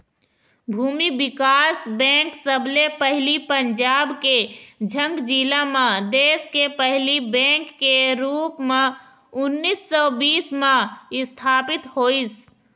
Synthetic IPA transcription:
bʱuːmibɪkaːsbɛ̃ːŋksəblepəɦlipəɲd͡ʒaːbked͡ʒʱə̃ŋɡd͡ʒiːlamãd̪eːskepəɦlibɛ̃ːkːeɾuːpmẽ | ʊnːiːsːɔbiːsmãɪst̪ʰaːpɪt̪hoːis

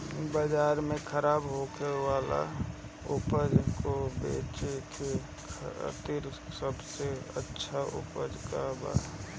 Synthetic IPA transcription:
bəd͡ʒaːɾmẽkʰəɾaːbɦokʰewaːla̰ | ʊpəd͡ʒkobḛːt͡ʃt͡ʃ | t̪iɾsəbseə̰tːʃʰaʔʊ̰pəd͡ʒkaba̰ː

